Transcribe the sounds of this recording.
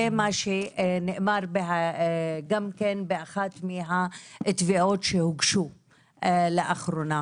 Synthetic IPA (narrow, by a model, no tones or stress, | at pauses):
emaʃeneʔmaɾbeaɡamkenbeʔaxat̪miɦaet̪viʔot̪ʃehuɡʃu | leʔaχɾona